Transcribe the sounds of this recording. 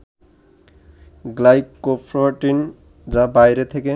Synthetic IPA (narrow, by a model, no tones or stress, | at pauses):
ɡlajkːofʰɾaʈin | d͡ʑabajɾet̪ʰeke